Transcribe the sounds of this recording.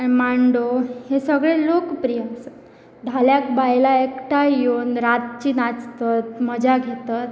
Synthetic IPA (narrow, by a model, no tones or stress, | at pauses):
animaɳɖohesəɡɭelokpɾijas | d̪ʱaljakbajlaekʈajjonɾat̪̚t͡ɕiːnat͡st̪ət̪məd͡ʑaɡʱet̪at̪